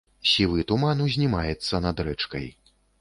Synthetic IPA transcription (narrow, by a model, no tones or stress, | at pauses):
sʲivɨt̪umanuzʲnʲimajɛt̪sːɐnɐd̪ɾɛt͡ʂkɐ̰j